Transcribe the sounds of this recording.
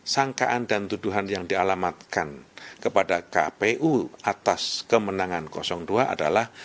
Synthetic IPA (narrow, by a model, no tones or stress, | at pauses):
saŋkaʔandant̪uduɦanjaŋdialamat̪̚kankəpadaka̰peʔuat̪askəmənaŋankɔsɔŋduaʔa̰da̰lah